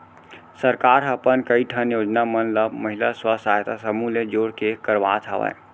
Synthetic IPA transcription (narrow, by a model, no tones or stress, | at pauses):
səɾkaɾəpənkəiʈʰənjod͡ʒnamənləbməɦilaswəsajt̪asəmuled͡ʒoɽkekəɾʋa̰t̪ʰa̰ʋə̰j